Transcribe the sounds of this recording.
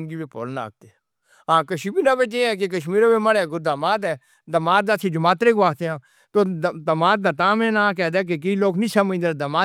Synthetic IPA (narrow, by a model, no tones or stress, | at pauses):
nɡiːbeːpoːlna̰ːk̚t̪e | ãːkəʃiːbiːnãːbet̪eːɛːk̬ek̬əʃmiːɾobeməɽɛːɡʊd̪əmaːt̪ɛː | d̪əmaːd̪at̪ʰid͡ʒʊmaːt̪ɾeːkʋaːt̪eãː | t̪oːd̪əmaːt̪̚d̪aːt̪ãːmẽːnaːk̬ɛːd̪aːk̬ekəiːloːknĩːsəməd͡ʒd̪ed̪əmaː